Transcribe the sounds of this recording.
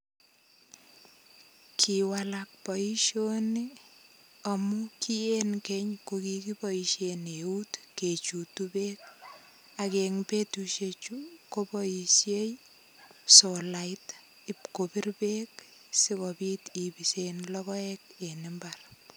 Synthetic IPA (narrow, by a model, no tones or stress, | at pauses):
kʰiwalak̚pɔiʃoni | amʊkienkɛɲkokikibɔiʃeneutket͡ʃutubek̚ | akeŋpetuʃet͡ʃukobɔisjej | sɔlaɪt | ɪpkopirbek̚ | sɪkɔbit̪ibisenlɔkɔɛkenɪmbar